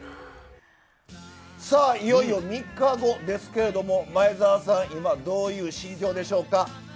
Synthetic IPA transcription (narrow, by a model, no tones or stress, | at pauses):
saːijo̞io̞mʲikːaɡo̞d̪e̞sɨ̥ke̞ɾe̞d̪o̞mo̞maezaːsãɰ̃imad̪o̞ːjɯ̟ːɕĩɲd͡ʑo̞ːd̪e̞ɕo̞ːka